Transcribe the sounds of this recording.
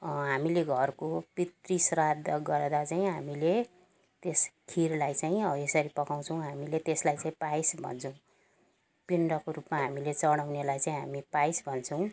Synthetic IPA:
ɦamileɡʱʌrkopit̪risrad̪ɡʌɾd̪at͡saĩɦamile | t̪eskʰirlajt͡saĩʌbʌesʌɾipʌkaw̃t͡sʰʌw̃ɦamilet̪eslajt͡saĩpajsbʱʌ̰nt͡sʰʌw̃ | piɳɖʌkoɾupmaɦamilet͡sʌɽ̃awnelajt͡saĩɦamipajsbʱʌnt͡sʰʌw̃

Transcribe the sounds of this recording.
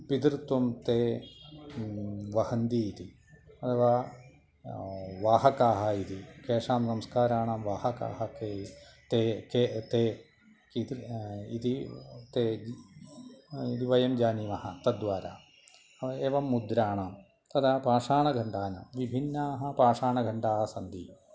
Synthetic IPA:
pid̪ɾɨt̪wɐmt̪eː | ʋɐhɐnd̪iːt̪i | ɐt̪ʰɐʋaː | ʋaːɦɐkaːɦɐit̪ikeːʂaːmsɐmskaːɾaːɳaːmʋaːhɐka̰ːhɐkeːt̪eket̪eː | kit̪ḭt̪it̪e | id̪iʋɐjɐmd͡ʒaːniʋɐhɐt̪ɐd̪ʋaːɾa̰ː | ɐʋɐeːʋɐmːud̪ɾaːɳaːm | t̪ɐd̪apaːʂaːɳɐɡʱɐɳɖaːnɐ̰ʋibʱinːaːɦɐ̆paːʂaːɳɐɡʱɐɳɖaːɦɐsɐnd̪i

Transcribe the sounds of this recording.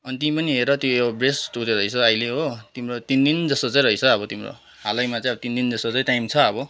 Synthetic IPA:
ʌnit̪iipʌniɦeɾʌt̪joeabresʈut̪eɾʌit͡sʰʌʌjleɦot̪imrot̪ind̪ind͡zʌstʌt͡sãj̃ɾʌit͡sʰʌʌbʌt̪imro̰ | ɦalʌjmat͡saj̃ʌbʌt̪ind̪ind͡zʌsʌt͡sãĩʈajmt͡sʰʌʌbʌ

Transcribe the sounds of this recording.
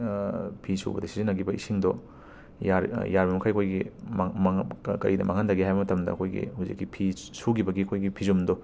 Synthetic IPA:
pʰisṵbɐ̰dɐsizinɐɡibɐisiŋdɔ | jaɾjaɾbɐmɐkʰajɐkʰojɡim | kɐ̰ɾidɐ̰mʔɐŋɐndɐɡiɦajbɐmɐtɐmdɐ̰ɐkʰojɡḭhuzḭkːipʰisuɡibɐɡiɐkʰojɡipʰizumdɔ

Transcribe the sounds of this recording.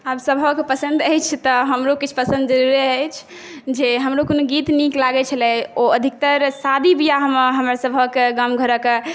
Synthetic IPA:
absəbʱəkpəsə̃nd̪əjt͡ʃʰt̪ɔɦəmɾokit͡ʃʰpəsə̃nd̪̚d͡ʒəɾuɾeəjt͡ʃʰ | d͡ʒeɦəmɾokonoɡit̪niklaɡɛt͡ʃʰəlɛoəd̪ʱik̚t̪əɾsad̪ibijaɦməɦəmɾasəbʱəkɡamɡʱəɾək

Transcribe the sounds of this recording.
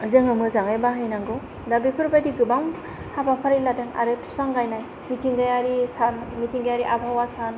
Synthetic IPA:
zɯŋɯmɯzaŋajbaɦajnaŋɡɯ | dabipʰɯɾbajdiɡɯbaŋ | habapʰaɾiladɯŋa̰ɾɯpʰi̥spaŋɡajnaj | mitʰiŋɡajaɾisanmitiŋɡajaɾiʔabʱawasan

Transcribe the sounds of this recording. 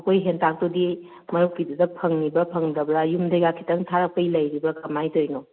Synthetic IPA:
kʰojɦentʰak̚todi | mɐɾukːidudɐpʰɐŋnibɐpʰɐŋdɐbɾajumdɐjɡakʰi̥tɐŋtʰaɾɐk̚pɐjlɐjɾibɐkʰɐmajtojno

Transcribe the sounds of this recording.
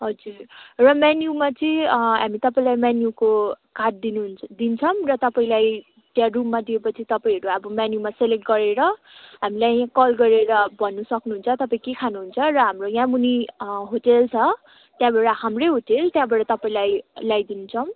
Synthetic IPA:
ɦʌd͡zurrʌmanjumat͡sʌĩɦamit̪ʌpaĩlajmanjukokarʈ̚d̪inud̪int͡sʰʌmrʌt̪ʌpaĩlaj | t̪jãrumːad̪iepʌt͡sʰit̪ʌpaĩɦʌɾuʌbʌmanjumaselek̚ʈ̚ɡʌɾeɾʌ | ɦamilajãkʌlɡʌɾeɾʌbʱʌnːusʌknuɦunt͡sʰʌt̪ʌpaĩkekʰanuɦunt͡sʰʌrʌɦamrojãmuniɦoʈelt͡sʰʌ | t̪jãbaɽʌɦamreɦoʈelt̪jãbʌɽʌt̪ʌpaĩlajlajd̪inut͡sʰʌm

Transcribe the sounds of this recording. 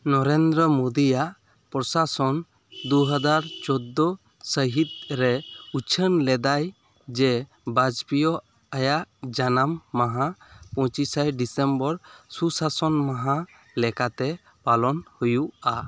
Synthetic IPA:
nɔɾend̪ɾɔmod̪ijaʔ | pɾɔsasɔn | d̪uɦəd͡ʒaɾt͡ʃɔd̪ːɔ | səɦit̪̚ɾɛut͡ʃʰənlɛd̪aj | d͡ʒɛ | bad͡ʒpijɔ | ajaʔd͡ʒanamːaɦapɔ̃t͡ʃisajɖisɛmbɔɾsusasɔnmaɦa | lɛkat̪ɛ | palɔnhujuʔa

